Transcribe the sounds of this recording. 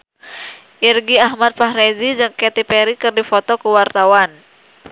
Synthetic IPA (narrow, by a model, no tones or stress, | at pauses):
ʔirɡiaɦmat̪̚paɦɾezid͡ʒɨŋkɛt̪ipɛɾikɨrdifɔt̪ɔkuwart̪awan